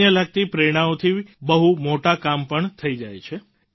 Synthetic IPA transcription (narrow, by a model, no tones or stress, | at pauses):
jəlaɡ̚t̪ipɾeɽ̃ãot̪ʰibəɦumoʈakampəɳt̪ʰəid͡ʒajt͡ʃʰe